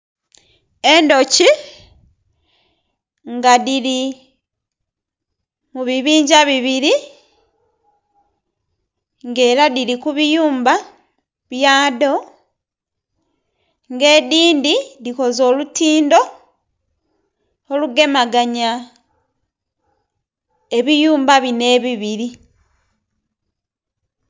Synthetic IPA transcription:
endo̞ci | ŋɡaðili | muβiβiːɲɟaβiβiɾi | ŋɡe̞ːɾaðilikuβijuːmba | βjaːdo̞ | ŋɡe̞ːdiːndiðiko̞zo̞ːlutiːndo̞ | oluɡe̞maɡaɲa | e̞βijuːmbaβine̞βiβiɾi

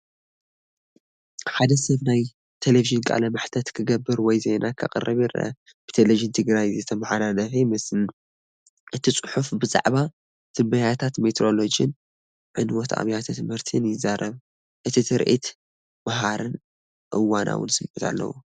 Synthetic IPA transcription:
ħad̪ɐsɐβnaj | t̪ʰeleviʒɨnkʼa̰lɐmaħt̪ʰɐt̪kʰɨɡɐbːɨɾwɔjzenʔakʰɐ̰qʼɨ̰rɨβiɾɐ̰ | b̥ɨ̥t̪ʰeleviʒɨnt̪ʰɨɡɾajzɨt̪ʰɐmaħalalɐfemɨsn | ʔɨt̪ʰit͡sʼɨħufbɨzʼa̰ʕβa | t̪ʰɨmbɐjat̪ʰat̪met̪ʰɾo̞lod͡ʒɨn | ʕɨnwot̪ʰa̰βjat̪ʰɨt̪ʰɨmhɨɾt̪ʰɨnjɪzaɾɐβ | ʔɨt̪ʰit̪ʰɨɾʔḭt̪ | maɦaɾɨn | ʔɨwːanʔa̰wɨ̰nsɨmɨt̪ʰa̰lːɐ̰wu

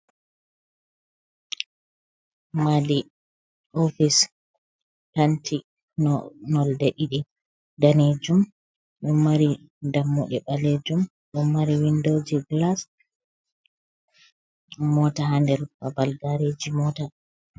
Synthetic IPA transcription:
mali | ofis | pantʰi | nɔnɔldeɗiɗi | daned͡ʒum | ɗumːaɾi | damːuɗɛɓaled͡ʒum | ɗumːaɾiwindod͡ʒiɡlas | mɔtaɦandɛɾbabalɡaɾed͡ʒimɔta

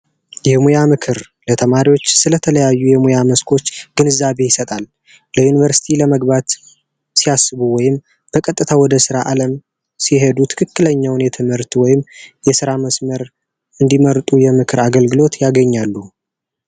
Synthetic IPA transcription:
jɛmujamɨkʰɨɾ | lət̪ʰəmaɾiwo̞t͡ʃːsɨlət̪ʰələjajːujɛmujaməskʰo̞t͡ʃːɡ̥ɨnɨzaβe̞jɪsət̪ʼal | ləjunivəɾsi̥t̪ʰiləməɡbat̪ | siasːɨβuwɔjɪm | b̥əkʼət̪ʼːɨt̪ʰawɔd̪əsɨɾaʔaləm | siɦed̪ut̪ʰɨ̥kʰɨkːɨləɲːawʊnjɛt̪ʰɨmhɨɾt̪wɔjɪmjɛsɨɾaməsməɾ | ɨnd̪iməɾt̪ʼujɛmɨkʰɨɾaɡəlɡɨlo̞t̪jaɡəɲːalːu

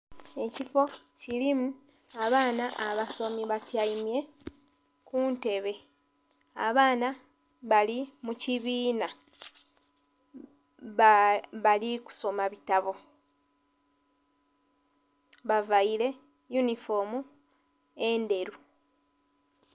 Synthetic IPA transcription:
e̞cifo̞ | cilimu | aβaːnaʔaβaso̞miβatjaimje̞ | kuːnte̞βe̞ | aβaːna | βalimuciβiːna | βaliku̥so̞maβitaβo̞ | βavaile̞ | junifo̞mu | e̞ːnde̞ɾu

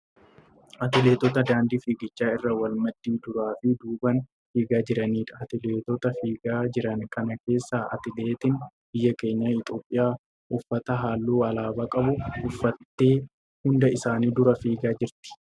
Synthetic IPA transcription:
ʔɐt̪ɪle̞ːt̪ɔt̪ɐd̪aːnd̪iːfiːɡɪt͡ʃːaːɪrːɐwɐlmɐd̪ːiːd̪ʊɾaːfɪd̪uːbɐn | fiːɡaːd͡ʒɪɾɐniːᶑɐɐt̪ɪle̞ːt̪ɔt̪ɐfiːɡaːd͡ʒɪɾɐnkɐnɐke̞ːsːaːʔɐ̰t̪ɪle̞ːt̪ɪn | bɪjːɐke̞ːɲːaɪt̪ʼo̞ːpʼːɪjaː | ʔʊfːɐt̪ɐɦaːlːuːɐlaːbakʼɐbʊʊfːɐt̪ːeː | hʊnd̪ɐɪsaːniːd̪ʊɾɐfiːɡaːd͡ʒɪɾt̪ɪ̥

